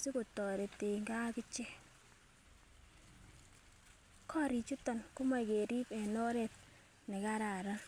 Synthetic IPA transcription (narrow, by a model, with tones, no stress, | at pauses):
si˦ko˨tɔ˨ɾe˨te˨ŋɡa˦kɪ˦t͡ʃe˦ | kʰɔ˦ɾi˨t͡ʃu˦tɔ˨nku˦ma˨ke˨ɾi˦pe˨nɔ˦ɾe˦t̚ | ni˨ka˦ɾa˨ɾa˦